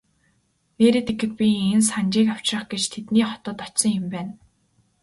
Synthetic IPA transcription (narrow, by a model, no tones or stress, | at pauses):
neːɾeːt̪ekɘ̆t̪̚pʲiens̬ant͡ɕiːkaw̥t͡ɕrə̆χɡet͡ɕt̪ʰet̪niːχɔt̪ɞ̆t̪ɔt͡ɕsɞ̆ŋjɪ̆mpæːn